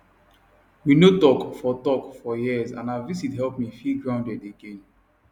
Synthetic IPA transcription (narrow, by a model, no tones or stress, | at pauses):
winotɔkfɔtɔkfɔjiəzã̰navizitɦɛlˠpmifilɡɹãʊ̃ndɛdeɡẽn